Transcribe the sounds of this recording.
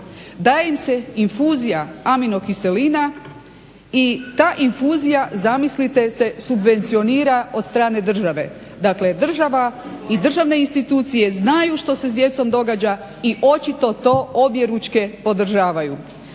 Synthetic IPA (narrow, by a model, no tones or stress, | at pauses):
d̪aːjeimse̞infuːzijaamino̞kise̞liːna | it̪aːʔinfuzijazamislit̪e̞se̞subʋe̞nt̪sio̞niːɾao̞d̪st̪ɾaːne̞d̪r̩ʒaʋe̞̰ | d̪akle̞d̪r̩ʒaʋaid̪r̩ʒaʋne̞inst̪it̪uːt̪sije̞znajuʃt̪o̞se̞zd̪je̞t̪so̞md̪o̞ɡad͡ʑa | iʔo̞t͡ɕit̪o̞t̪o̞ːobje̞ɾut͡ʃke̞po̞d̪r̩ʒaːʋaju